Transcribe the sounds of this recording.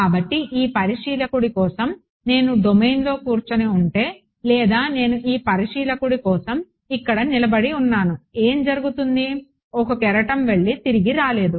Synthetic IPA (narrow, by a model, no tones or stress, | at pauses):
kaːbɐʈːiʔiːpɐɾiʂiːlɐkuɽikɔːsɐm | ne̞ːnuɖ̪omejnlo̞ːkuːɾt͡ʃɐneuɳʈe̞ː | lɛːd̪aːne̞ːnuʔiːpɐɾiʂiːlɐkuɽikɔːsɐm | ikːɐɽɐnilɐbɐɽiunːaːnue̞ːmd͡ʒɐɾuɡut̪und̪i | ɔkɐkɛɾɐʈɐmʋe̞ɭːit̪iɾiɡiɾaːle̞ːd̪u